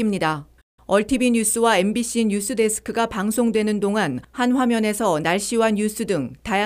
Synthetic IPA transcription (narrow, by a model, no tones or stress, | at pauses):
imɲida | ʌɭtʰibiɲus͈ɯwae̞mbiɕ͈ʰinus͈ʰɯde̞sʰɯ̥kʰɯɡapaŋsʰoŋdwe̞nɯndoŋanhanɸwamjʌne̞sʰʌnaɭɕ͈iwanjus͈ʰɯdɯŋtaja